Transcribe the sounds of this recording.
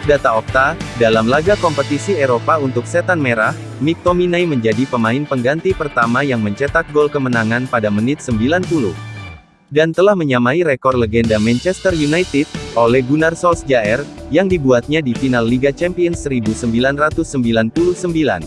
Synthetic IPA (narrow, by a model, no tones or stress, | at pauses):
dat̪aɔk̚t̪adalamlaɡakɔmpət̪isiɛɾopaunt̪ʊk̚sɛt̪anmeɾah | mik̚t̪ominajməɲd͡ʒadipəmaɪnpəŋɡant̪ipərt̪amajaŋməɲt͡ʃət̪ak̚ɡolkəmənaŋanpadamənɪt̪̚səmbilanpulṵh | dant̪əlahməɲamaiɾekɔrləɡɛndamɛnt͡ʃɛst̪ərjunajt̪id̚olɛhɡunarsɔlsd͡ʒaɛrjaŋdibuat̪̚ɲadifinalːiɡat͡ʃɛmpiənsəɾibusəmbilanrat̪ʊsːəmbilanpuluhsəmbila̰n